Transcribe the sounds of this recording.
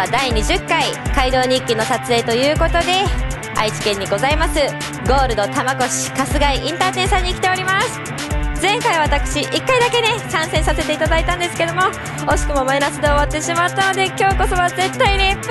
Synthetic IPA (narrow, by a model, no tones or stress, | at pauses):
d̪aiɲ̟iʑɨkːaikaid̪o̞ːɲ̟ĩŋkʲino̞sat͡sɨe̞ːt̪o̞jɯ̟ːko̞t̪o̞d̪e̞ | a̰it͡ɕi̥kẽ̞ɲ̟ːiɡo̞zaimasɨ | ɡo̞ːɾɯ̟d̪o̞t̪amaɡo̞ɕi̥kasɨɡaiʔĩnt̪aːt̪eɰ̃sãɲ̟ːikʲi̥t̪e̞o̞ɾʲimasɨ̥ | zẽ̞ŋkaiβ̞at̪akɯ̟̥ɕiʔikːaid̪ake̞ne̞kãɰ̃sẽsase̞t̪e̞it̪ad̪ait̪ãnd̪e̞sɨ̥ke̞d̪o̞mo̞ | oɕi̥kɯ̟mo̞mainasɨd̪e̞oβat̪ːe̞ɕimat̪ːano̞d̪e̞kʲo̞ːko̞so̞βaze̞t̪ːaine̞